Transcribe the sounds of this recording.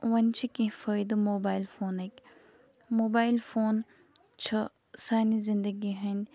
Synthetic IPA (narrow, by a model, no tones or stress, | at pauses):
ʋɐnʲt͡ʃʰikĩfɐjd̪ɨmoːbaːjilfoːnekʲ | moːbaːilfoːn | t͡ʃʰɐ | saːnizind̪əɡiɦɐnʲ